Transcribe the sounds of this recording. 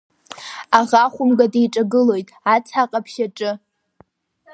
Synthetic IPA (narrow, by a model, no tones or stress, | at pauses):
aʁaχʷʊmɡadejʈ͡ʂʼaɡɨlo̞jtʼat͡sʰaqʼapʰʃaʈ͡ʂʼɨ